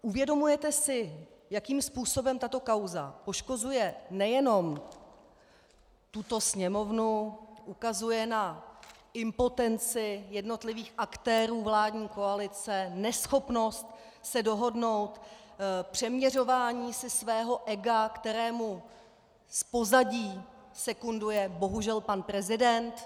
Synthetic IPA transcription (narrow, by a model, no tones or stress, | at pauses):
ʔuvjɛdo̞mujɛt̪ɛsɪ | jakiːmspuːso̞bɛmt̪at̪o̞kawza̰po̞ʃko̞zujɛnɛjɛno̞m | t̪ut̪o̞sɲɛmo̞vnuʔukazujɛna | ɪmpo̞t̪ɛnt͡sɪjɛdno̞t̪lɪviːxʔakt̪ɛːɾuːvlaːdɲiːko̞alɪt͡sɛnɛsxo̞pno̞st̪ | sɛdo̞ɦo̞dno̞wt̪pr̝̥ɛmɲɛr̝o̞vaːɲiːsɪsvɛːɦo̞ʔɛɡakt̪ɛɾɛːmu | spo̞zaɟiːsɛkundujɛbo̞ɦuʒɛlpanpɾɛzɪdɛnt̪